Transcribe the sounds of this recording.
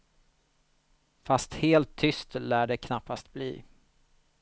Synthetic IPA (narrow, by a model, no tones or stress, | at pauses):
fast̪heːlt̪ʰːʏst̪læːɖɛkʰnapːast̪̚blḭː